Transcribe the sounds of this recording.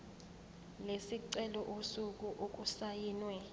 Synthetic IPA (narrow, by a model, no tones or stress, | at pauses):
lesiǀɛlɔʔosuk̬ʼuʔok̬ʼusajiːnwɛ